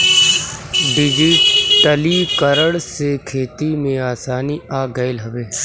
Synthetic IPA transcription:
ɖɪd͡ʒiʈəlikəɾəɽsekʰeːt̪imẽaːsaːniaːɡɐɪlɦɐʋeː

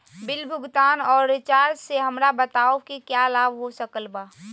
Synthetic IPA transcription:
bɪlbʱʊɡt̪aːnɔːɾːɪt͡ʃaːɾseɦɐmɾabət̪aːokikjalaːbɦosəkəlbaː

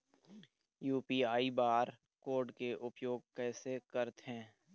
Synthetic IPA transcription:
juːpiːaːibaːɾ | koːɾɖkeʔʊpjoːɡ̚kɛːsekəɾt̪ɦɛ̃ː

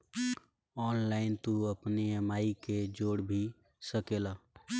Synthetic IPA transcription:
ɔːnlaɪnt̪uəpneəmaːiked͡ʒoːɽbʱi | səkela

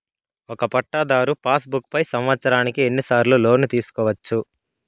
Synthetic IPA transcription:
ɔkɐpɐʈːaːd̪aːɾupaːsbukːpɐjsɐmʋɐt̪sɐɾaːnikie̞nːisaːɾluːlo̞ːnut̪iːsu̥kɔːʋɐt͡ʃːu

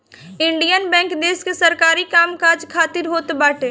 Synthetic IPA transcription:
ɪ̃ɳɖijənbɛ̃ːŋkd̪eːskesɐɾkaːɾikaːmkaːd͡ʒkʰaːt̪ɪɾɦoːt̪baːʈeː

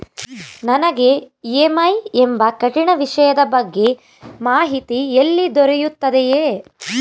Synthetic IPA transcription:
nɐnɐɡe̞eːmɐjembɐkɐʈiɳɐʋiʂɐjɐd̪ɐbɐɡːe̞ | maːɦit̪ielːid̪ɔɾejut̪ːɐd̪ejeː

